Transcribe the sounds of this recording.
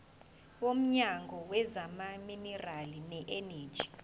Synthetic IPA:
wom̩ɲaŋɡʱɔwɛzamaminɛralinɛʔene̥ːd͡ʒʱi̥

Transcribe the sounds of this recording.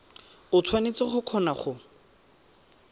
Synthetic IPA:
ʊt͡sʰwanet͡sɪχʊkʰɔnaχʊ

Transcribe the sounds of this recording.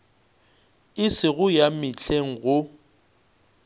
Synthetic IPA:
ɪsɪɣʊjamɪt͡ɬʰʼeŋ̩ɣʊ

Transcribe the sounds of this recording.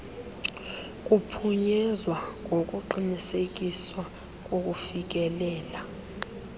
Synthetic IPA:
k̬ʼupʰuɲɛzwaŋok̬ʼuǃinisek̬ʼiswa | k̬ʼok̬ʼufik̬ɛlɛːla

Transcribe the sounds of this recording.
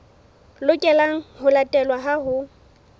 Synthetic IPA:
lʊkʼɛlaŋ̩hʊlatʼɛlwaɦaɦʊ

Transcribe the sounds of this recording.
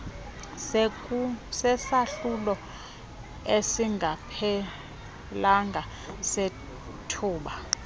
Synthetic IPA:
sɛsaɬulɔ | esiŋʱapʰɛ | laŋɡʱa | se | tʰuːɓa

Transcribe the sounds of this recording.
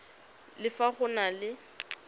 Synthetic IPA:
lɪfaχʊnalɪ

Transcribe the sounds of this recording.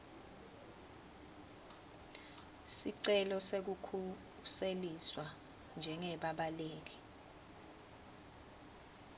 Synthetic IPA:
siǀɛlɔsek̬ukʰu | seliswa | nd͡ʒʱɛŋɛɓaɓaleːk̬i̥

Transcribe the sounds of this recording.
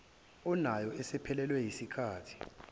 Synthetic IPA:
unajɔɛsɛpʰɛlɛlwɛjisikʰaːtʰi̥

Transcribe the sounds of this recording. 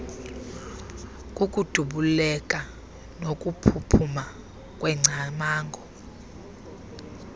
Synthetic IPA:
kʼukʼud̥ʱuɓulɛkʼa | nokʼupʰupʰuma | kʼwɛŋ͡ǀʱamaːŋɡʱɔ

